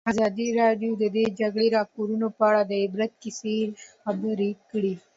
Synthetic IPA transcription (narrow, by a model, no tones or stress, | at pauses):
azɑd̪iɾɑɖijod̪əd̪ed͡ʒaɡɽeɾɑkoɾunopəaɽad̪əɪbɾat̪̚kɪselxabəɾikəɽi